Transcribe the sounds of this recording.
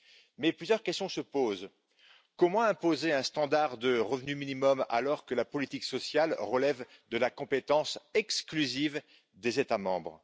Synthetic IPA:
mɛplyzjœʁkʲɛst̪jɔ̃səpoz | kɔmɑ̃ɛ̃pozeɛ̃st̪ɑ̃d̪aʁd̪əʁəvnyminimɔma̰lɔʁkəlapɔlit̪iksɔsjalʁəlɛvd̪əlakɔ̃pet̪ɑ̃sɛksklyziv | d̪ezet̪amɑ̃bʁ

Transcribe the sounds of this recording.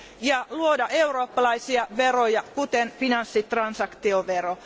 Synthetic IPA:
jɑluodɑʔeuroːpːɑlɑisiɑʋerojɑkut̪enfinɑnsːit̪rɑnsɑkt̪ioʋero

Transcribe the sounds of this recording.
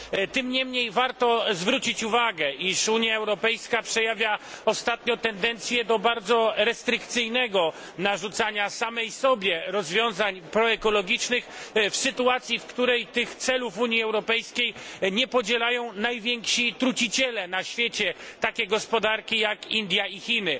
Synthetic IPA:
t̪ɘmɲɛmɲejvaɾt̪ɔzvɾut͡ɕit͡ɕuvaɡɛʔiʂuɲjaɛwɾɔpɛjskapʂɛjavʲjaɔst̪at̪ɲɔ̃t̪ɛnd̪ɛnt̪sʲjɛd̪ɔbaɾd̪zɔɾɛst̪ɾɘkt̪sɘjnɛɡɔ | naʐut̪saɲasamɛjsɔbʲjɛɾɔzvʲjɔ̃w̃zaɲpɾɔɛkɔlɔɡʲit͡ʂnɘxfsɘt̪uat̪sʲjifkt̪uɾɛjt̪ɘxt̪sɛlufuɲjiɛwɾɔpɛjskʲejɲɛpɔd͡ʑɛlajɔ̃w̃najvʲjɛŋkʂit̪ɾut͡ɕit͡ɕɛlɛnaɕfʲjɛt͡ɕɛt̪akʲɛɡɔspɔd̪aɾkʲijakind̪ʲjaixʲinɘ

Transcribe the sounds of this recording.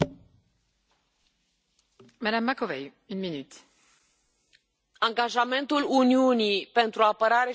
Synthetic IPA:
mad̪amːakovɛj | ynminyt̪ | ãŋɡaʒamɛ̃nt̪uluniunipẽnt̪ɾuapəɾaɾe

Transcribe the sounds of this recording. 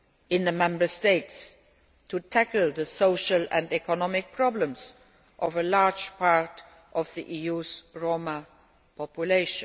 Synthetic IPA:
ɪ̃nðəmɛ̃mbə˞steɪts | tʰutʰækl̩ˠðəsoʊʃəlæ̃ndɛkɔnɔmɪk̚pʰɹ̥ɔblə̃mz | ʔɔvəlaɹd͡ʒpʰaɹt | ʔɔvðiʔijuzɹoʊmə | pʰɔpjuleɪʃn

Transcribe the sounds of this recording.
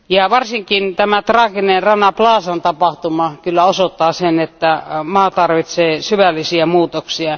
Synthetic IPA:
jɑʋɑrsiŋkint̪æmæt̪rɑːkinenrɑnːɑplɑːsɑnt̪ɑpɑht̪umɑkylːæosot̪ːɑːsenet̪ːæmɑːt̪ɑrʋit̪seːsyʋælːisiæmuːt̪oksiɑ

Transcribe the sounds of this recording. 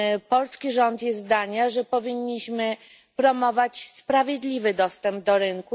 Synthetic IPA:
pɔlskʲiʐɔnt̪jɛzd̪aɲaʐɛpɔvʲiɲːiɕmɘ | pɾɔmɔvat͡ɕspɾavʲjɛd̪lʲivɘd̪ɔst̪ɛmb̚d̪ɔɾɘŋku

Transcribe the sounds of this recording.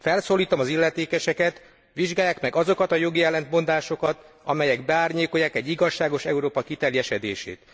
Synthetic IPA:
fɛlsoːlːiːt̪omɒzilːɛt̪eːkɛʃɛkɛt̪ | ʋiʒɡaːjːaːkmɛɡɒzo̞kɒt̪ɒjo̞ɡiɛlɛnt̪mo̞nd̪aːʃo̞kɒt̪ | ɒmɛjɛɡbɛaːrɲeːko̞jaːkɛɟːiɡɒʃːaːɡo̞ʃɛuɾoːpɒkit̪ɛrjɛʃɛd̪ḛːʃḛːt̪

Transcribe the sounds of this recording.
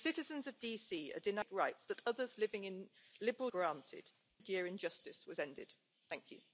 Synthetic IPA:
sɪtɪzə̃nzəvdiːsiːə̰dɪnaɪkɹaɪtsðətʌðəzlɪvɪ̃ŋɪ̃nlɪbəɹəlˠɡɹɑ̃ˑntʰɪ̰d̥ | djɪəɹɪ̃nd͡ʒʌstɪswɒzɛ̃ndɪ̰d̥ | θæ̃ŋkʰjʉ̰

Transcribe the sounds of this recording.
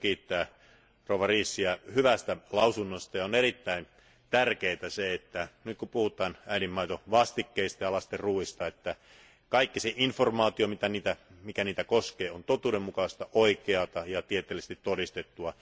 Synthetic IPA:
kiːt̪ːæː | rouʋɑriːsːiæhyʋæst̪ælɑusunːost̪ɑjɑonerit̪ːæin | t̪ærkeit̪æseet̪ːænyt̪kupuhut̪ˑɑːnæiɾimːɑit̪oʋɑst̪ikːeist̪ɑjɑlɑst̪erruːist̪ɑet̪ːæ | kɑikːiseʔinformɑːt̪iomit̪æniːt̪æmikæniːt̪ækoskeːont̪ot̪uːdemmukɑust̪ɑʔoikeɑt̪ɑjɑt̪iet̪ːˑeːlist̪it̪t̪odist̪et̪ːuɑ

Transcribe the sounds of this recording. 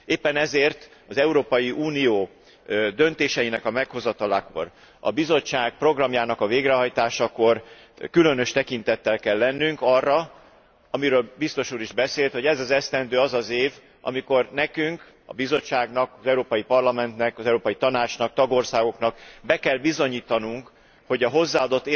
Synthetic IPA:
eːpːɛnɛzeːrt̪ɒzɛuɾoːpɒjiʔuːnijoː | d̪ønt̪eːʃɛjinɛkɒmɛkho̞zɒt̪ɒlaːko̞̰r | ɒ̰bizo̞t͡ʃːaːɡk̚pro̞ɡrɒmjaːnɒkɒveːɡrɛɦɒjt̪aːʃɒko̞r | kylø̞nø̞ʃt̪ɛkint̪ɛt̪ːɛlkɛlːɛnːyŋkɒrːɒ | ɒmiɾøːlbist̪o̞ʃuːɾiʒbɛseːlt̪ho̞ɟɛzɒzɛst̪ɛnd̪øːɒzɒzeːv | ɒ̰miko̞rnɛkyŋk | ɒ̰bizo̞t͡ʃːaːɡnɒkɒzɛuɾoːpɒjipɒrlɒmɛnt̪nɛkɒzɛuɾoːpɒjit̪ɒnaːt͡ʃnɒk̚t̪ɒɡo̞rsaːɡo̞knɒkbɛkɛlbizo̞ɲiːt̪ɒnuŋk | ho̞ɟɒɦo̞zːaːɒd̪o̞t̪ːe

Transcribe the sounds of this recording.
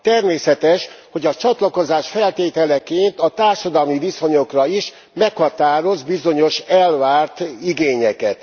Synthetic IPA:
t̪ɛrmeːsɛt̪ɛʃho̞ɟɒt͡ʃɒt̪lɒko̞zaːʃfɛlt̪eːt̪ɛlɛkeːnt̪ɒt̪aːrʃɒd̪ɒlmiviso̞ɲo̞krɒiʃ | mɛkhɒt̪aːɾo̞zbizo̞ɲo̞ʃɛlvaːrt̪iɡeːɲɛkɛt̪

